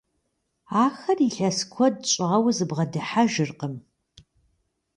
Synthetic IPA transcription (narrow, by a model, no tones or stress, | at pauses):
aːxɐriɬɐskʷʰɔd̚t͡ʃʷʼɪʁɐwzɨbʁɐdɨħaʒɪrqəm